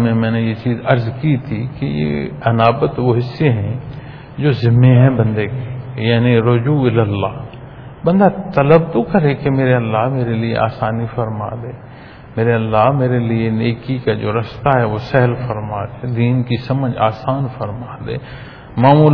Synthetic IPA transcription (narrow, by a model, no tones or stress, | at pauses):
mẽmɛ̃ːnejet͡ʃiːzɐɾzkit̪ʰikejḛɐnaːbət̪ʋoɦɪsːeɦɛ̃ | d͡ʒoːzɪmːeɦɛ̃bɐ̃nd̪ekejaːniɾʊd͡ʒuːɪləlːaːɦ | bɐ̃nd̪at̪ɐləbt̪okɐɾekemeːɾeɐlːaɦmeːɾeliḛʔa̰ːsaːnifɐɾma̰ːd̪ẽː | meːɾeɐlːaɦmeːɾelieneːkikad͡ʒo̰ːɾɐst̪aɦɛʋosɛɦlfɐɾmaːd̪eːd̪iːnkisɐməd͡ʒaːsaːnfɐɾmaːd̪ḛː | maːmuːl